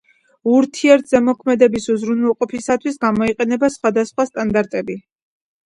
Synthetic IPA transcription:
uɾt̪ʰiɛɾt̪ʰzɛmɔkʰmɛd̪ɛbisuzɾunwɛlˠqʼɔpʰisat̪ʰwisɡamɔiqʼɛnɛbasχwad̪asχwast̪ʼand̪aɾt̪ʼɛbi

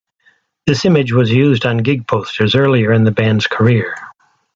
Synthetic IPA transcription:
ðɪsɪ̃mɪd͡ʒwʌzjʉzdn̩ɡɪɡ̚pʰoʊstʰə˞zɜ˞lˠiə˞ɨ̃nðɨbæ̃ndz̥kʰə˞ɪɹ

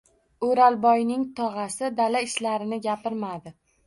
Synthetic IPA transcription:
oɾalbɒjnɪŋt̪ʰɒʁɑsɪd̪alaɪʃlaɾɪnɪɡʲapɪɾmad̪ɪ

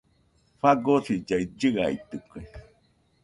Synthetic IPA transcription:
faɡoɾid͡ʒaid͡ʒɨa̰it̪ɨke

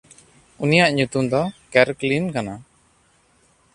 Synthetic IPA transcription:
unijaʔɲut̪umd̪ɔkɛɾklinkana

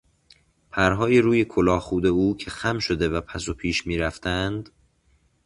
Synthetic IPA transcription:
pʰæɾɦɒːjeɾuːjekʰolɒːxuːd̪e̞uːcʰe̞xæmʃo̞d̪e̞væpʰæsopʰiːʃmiːɾæft̪ʰænd̪̥

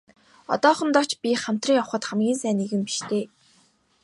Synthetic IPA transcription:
ɔ̰t̪ɔːχə̆nt̪ɔkʰt͡ɕpʲiχam̥t̪riːŋjaw̆χə̆t̪χamɡʲiːnsæːneɣɘ̆mpi̥ʃt̪ʰeː

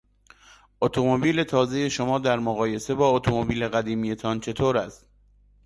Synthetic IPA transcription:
ʔot̪ʰomobiːle̞t̪ʰɒːze̞je̞ʃo̞mɒːd̪æɾmoɣɒːje̞se̞bɒːot̪ʰomobiːle̞ɣæd̪iːmije̞t̪ʰɒːnt͡ʃʰe̞t̪ʰoːɾæst̪̚

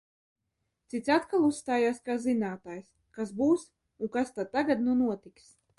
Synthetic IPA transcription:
t̪sit̪sʲat̪kalˠusst̪aːjaːskaːzinaːt̪aːjs | kasbuːs | uŋkast̪ad̪̚t̪ːaɡad̪nunuɔt̪iks

